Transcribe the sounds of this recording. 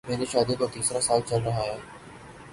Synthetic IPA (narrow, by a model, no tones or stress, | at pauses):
mẽːnd͡ʑeʃaːd̪ik̪ot̪iːsɾasaːlt͡ɕɐlɾɐɦaɦeː